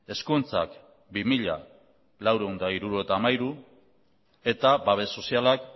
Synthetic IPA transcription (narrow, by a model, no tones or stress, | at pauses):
e̞skunt͡sa̰k | bimiʎa̰ | lawɾewnd̪aiɾuɾue̞t̪aːmajɾu | e̞t̪abaβ̞e̞so̞sialak